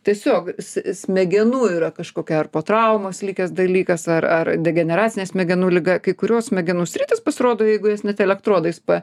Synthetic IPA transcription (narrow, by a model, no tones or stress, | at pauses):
t̪ʲiɛsʲoːksʲsʲmʲɛɡʲɛnuːiːɾɐkɐʃkoːkʲɛɐrpoːt̪ɾɐʊmoslʲikʲɛsd̪ɐlʲiːkɐsɐrɐrd̪ʲɛɡʲɛnʲɛɾɑːtt͡sʲɪnʲeːsʲmʲɛɡʲɛnuːlʲɪɡɐkɐɪkʊɾʲoːssʲmʲɛɡʲɛnuːsʲɾʲiːt̪ʲɪspɐsʲɪɾoːd̪oːjɛɪɡʊjɛsnʲɛt̪ʲɛlʲɛkt̪ɾoːd̪ɐɪspɐ